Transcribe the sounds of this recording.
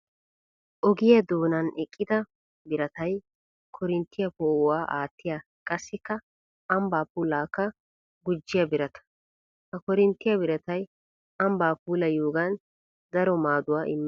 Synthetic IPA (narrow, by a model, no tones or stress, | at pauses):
ʔɔɡɪjɐd̪oːnɐnɛkʼːɪd̪ɐ | bɪɾɐt̪ɐj | kʰɔɾɪnt̪ːɪjɐpoːwaːʔaːt̪ːɪja | kʼɐsːɪkːɐ | ɐmbaːpuːlaːkːɐ | ɡʊd͡ʒːɪjɐbɪɾɐt̪ɐ̥ | hɐkɔɾɪnt̪ːɪjɐbɪɾɐt̪ɐj | ɐmbaːpuːlɐjuːɡɐn | d̪ɐɾɔmaːd̪ʊwaːʔɪmː